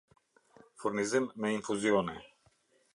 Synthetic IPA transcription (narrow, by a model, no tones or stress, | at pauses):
fuɾnizɛmːɛinfuziɔnɛ